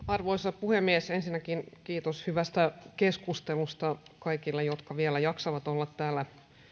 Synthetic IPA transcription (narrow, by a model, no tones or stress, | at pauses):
ɑrʋoisɑpuhemːiesensinːækinkiːt̪oshyʋæst̪ækeskust̪elust̪ɑkɑikilːejot̪kɑʋielæjɑksɑʋɑt̪olːɑt̪ːæːlːæ